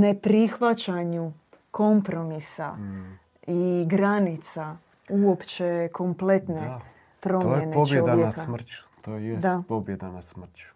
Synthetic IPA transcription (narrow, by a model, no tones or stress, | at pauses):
ne̞pɾixʋat͡ɕaɲu | ko̞mpɾo̞misa̰ | iɡɾanit̪sa | uo̞pt͡ʃe̞kʰo̞mple̞t̪ne | pɾo̞mojeeneobjed̪anasmr̩t͡ɕu̥t̪oːjedsapobjed̪anasmr̩t͡ɕu̥